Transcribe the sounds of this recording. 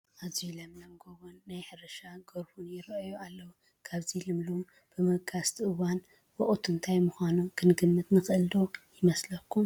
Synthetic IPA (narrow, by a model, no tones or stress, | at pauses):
ʔazilɐmlɐmɡoβonːajħɨɾɐʃaɡoɾhunjɪɾʔjualːɐwu | kʰaβzilɨmlum | b̥ɨmɨɡʰast̪ʰɨʔɨwan | wɐʔʼut̪ʰɨnt̪ʰajmuxʷanukʰɨnɡɨmːɨt̪nɨxʔɨld̪ojɪmɐslɐkʰːum